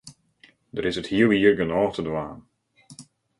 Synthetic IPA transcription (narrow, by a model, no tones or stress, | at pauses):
dəɾɪsəthiəlˠiərɡənɔːxtədʋaːn